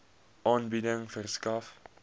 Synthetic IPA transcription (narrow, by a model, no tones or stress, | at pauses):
ʔɑːnbidəŋfərskɐf